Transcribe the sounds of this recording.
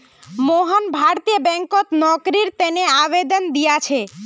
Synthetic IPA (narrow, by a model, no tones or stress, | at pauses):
moɦonbʱaɾt̪ijobɛŋkot̪nɔɡɾiɾt̪eneabed̪ond̪ijat͡ɕʰe